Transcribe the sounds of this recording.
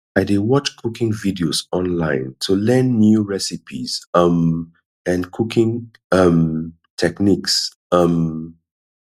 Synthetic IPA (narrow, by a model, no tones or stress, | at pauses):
aɪdiwɔt͡ʃkʰukɪ̃ŋvidiozɔ̃nlãɪ̃ntʰulɛ̃nːjuɹɛsipʰḭzʌ̃m | ɛ̃nkʰukɪ̃ŋ | ʌm | tʰɛkniks | ʌm